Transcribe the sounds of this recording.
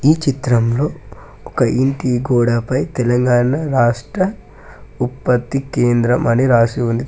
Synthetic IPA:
iːt͡ʃit̪ɾɐmlo̞ː | ɔkɐʔiɳʈiːɡɔːɽapɐjt̪ɛlɐŋɡaːnɐɾaːʂʈɾɐ | upːɐt̪ːikeːnd̪ɾɐmɐniɾaːsiund̪i

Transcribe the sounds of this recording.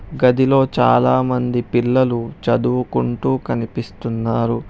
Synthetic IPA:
ɡɐd̪ilo̞ːt͡ʃa̰ːlaːmɐnd̪ipilːɐlut͡ʃɐd̪uʋukuɳʈuːkɐnipist̪unːaːɾu

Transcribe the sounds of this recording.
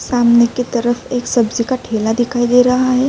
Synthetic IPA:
saːmneket̪ɐɾəfeːksəbd͡ʒikaʈʰeːlad̪ɪkʰaːid̪eːɾɐɦaɦɛ

